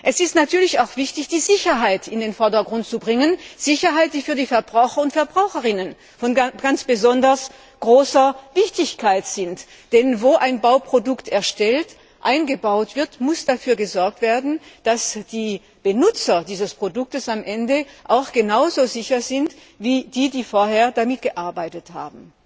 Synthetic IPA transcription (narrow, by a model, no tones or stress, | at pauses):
ʔɛsɪstnatʰyːɐlɪçaʊxv̥ɪçtɪçd̥iːzɪçɐɦaɪtʰɪndeːnfɔɐdɐɡʁʊnt̚t͡subʁɪŋənz̥ɪçɐɦaɪt̚d̥iːfyːɐdiːfɛɐbʁaʊxɐʊntfɛɐbʁaʊxəʁɪnən | fɔnɡ̥ant͡sb̥əzɔndɐs | ɡ̥ʁoːsɐvɪçtɪçkʰaɪtz̥ɪnt | d̥ɛnvoːʔaɪnbaʊpʁ̥odʊktʰɛɐʃtɛlt | ʔaɪnɡəbaʊtv̥ɪɐtmʊsd̥afyːɐɡəzɔɐk̚tv̥eːɐdn̩d̥asd̥iː | b̥ənʊt͡sɐdiːzəspʁ̥odʊk̚təsamʔɛndəʔaʊxɡ̥ənaʊzozɪçɐzɪnt | viːdiːdiːfoːɐheːɐdamɪtɡ̥əʔaɐbaɪtətha̰ːbm̩